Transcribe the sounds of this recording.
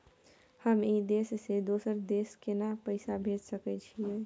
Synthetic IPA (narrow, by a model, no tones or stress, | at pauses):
həmid̪esːed̪osəɾd̪eskenapəɪsabʱeʈsəkɛt͡ʃʰijɛ